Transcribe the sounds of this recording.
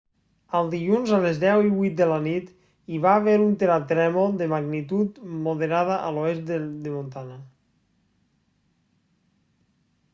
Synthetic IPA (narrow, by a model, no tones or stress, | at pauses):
əlˠd̪iʎunzəlezðɛwiβut̪̚d̪əlanit̪ | iβaːβeɾunt̪eɾat̪ɾɛmoðəmaɡnit̪ut̪moðeɾaðəʔəloes̚ed̪emont̪ana